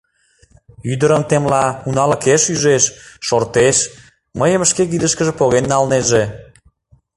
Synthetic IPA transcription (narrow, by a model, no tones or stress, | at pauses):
yd̪əɾəmt̪emlɑunɑləkeʃyʒeʃːort̪eʃ | məjəməʃkekid̪əʃkəʒĕpoɣenːɑlneʒe